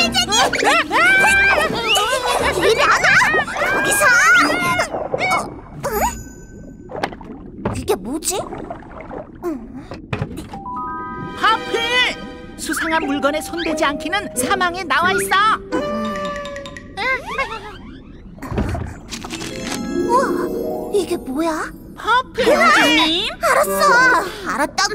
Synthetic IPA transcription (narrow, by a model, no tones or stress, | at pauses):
iɾianaɡisʰa | kikemud͡ʑi | hapʰi | sʰusʰeŋɦanmuɭɡʌne̞sʰondwe̞d͡ʑiankʰinɯnsʰamaŋenawais͈a | a | iɡe̞moja | pʰapʰeiiaɾatt͈aaɾat̚t͈am